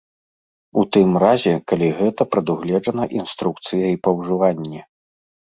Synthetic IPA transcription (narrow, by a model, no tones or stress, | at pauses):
ut̪ɨmrazʲɛkalʲiɣɛt̪ɐpɾɐd̪uɣlʲɛd͡ʐɐnɐʔinst̪ɾuk̚t̪sɨjɐipɐwʐɨvanʲːɛ